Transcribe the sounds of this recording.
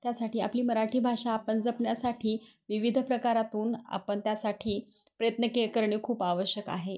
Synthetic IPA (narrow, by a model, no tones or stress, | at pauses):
t̪jasaʈʰiːa̰pliːməɾaʈʰiːbʱaʂaːpənd͡zəpɳjasaʈʰiːʋiʋid̪ʱpɾəkaɾat̪uːna̰pəɳt̪jasaʈʰiːpɾəjət̪nəkejəkəɾɳiːkʰuːpaʋəɕjəka̰ɦe